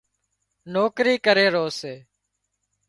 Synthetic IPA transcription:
noːkɾiːkəɾeːɾoːseː

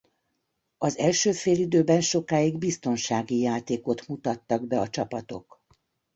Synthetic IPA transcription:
ɒzɛlʃøːfeːlid̪øːbɛnʃo̞kaːiɡbist̪o̞nʃaːɡijaːt̪eːko̞t̪mut̪ɒt̪ːɒɡbɛɒt͡ʃɒpɒt̪o̞̰k

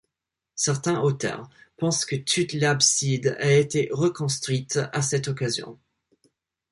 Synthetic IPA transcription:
sɛʁt̪ɛ̃ʔot̪œ̰ʁpɑ̃skət̪ʰut̪labsid̪aet̪eʁəkɔ̃st̪χɥit̪asɛt̪ɔkazjɔ̰̃

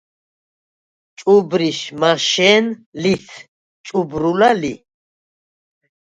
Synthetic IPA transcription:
t͡ʃʼubɾiʃmaʃɛːnlit̪ʰ | t͡ʃʼubɾulalḭ

